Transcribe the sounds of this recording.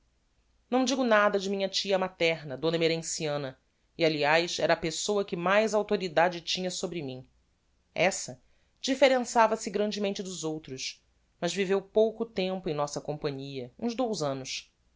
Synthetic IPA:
nɐ̃w̃d͡ʒiɡʊnad̪ɐd͡ʒɪmĩɲɐt͡ʃiɐmat̪ɛɾnɐd̪õnɐmeɾẽsiɐ̃nɐ | ialiajsɛɾɐːpesowɐkɪmajzawt̪oɾid̪ad͡ʒɪt͡ʃĩɲɐsobɾɪmĩ | ɛsɐ | d͡ʒifeɾẽsavɐsɪɡɾɐ̃nd͡ʒɪmẽnt͡ʃɪd̪ʊzowt̪ɾʊʃ | mɐzvivewpowkʊt̪ẽmpʊẽj̃nɔsɐkõmpɐ̃ɲiɐũzd̪owzɐ̃nʊʃ

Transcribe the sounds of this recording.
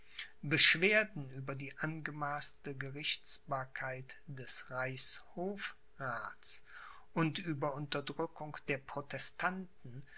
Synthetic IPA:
bəʃv̥eːɐdn̩ʔyːbɐdiːʔanɡəmaːstəɡəʁɪçt͡sb̥aːɐkʰaɪtd̥ɛsʁaɪshoːf | ʁaːt͡s | ʔʊntʔyːbɐʊntɐdʁʏkʰʊŋd̥eːɐpʁ̥otʰɛstʰantn̩

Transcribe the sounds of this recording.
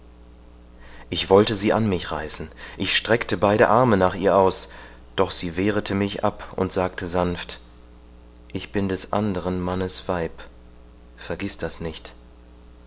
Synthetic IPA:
ʔɪçv̥ɔltəziːʔanmɪçʁaɪsn̩ʔɪçʃtʁ̥ɛktəbaɪɾəʔaɐmənaːχʔḭːɐʔaʊs | d̥ɔχz̥iːveːʁ̞ətʰəmɪçʔa̰pʔʊ̰ntz̥aːk̚tʰəzanft | ʔɪçb̥ɪndɛsʔa̰ndəʁ̞ənmanəsv̥aɪp | fɛɐɡɪsd̥asnɪçt

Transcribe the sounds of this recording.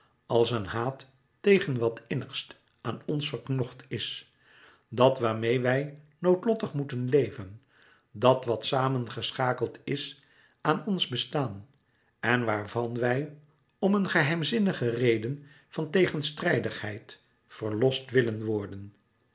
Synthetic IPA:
ɑlˠsənɦaːtː | ejχənʋɑtɪnəχst | aːnɔnsfəɹknɔχtʰɪs | dɑtʋaːɹmejʋɛj | nowtlɔtəχmutənlejvən | dɑtʋɑtsaːmənχəsχaːkəlˠtɪs | aːnɔnzbəstaːn | ɛnʋaːɹvɑnʋɛj | ɔmənχəɦɛjmzɪnəχərejdən | fɑntejχənstrɛjdəχhɛjt | fəɹlɔstʋɪlənʋɔɹdən

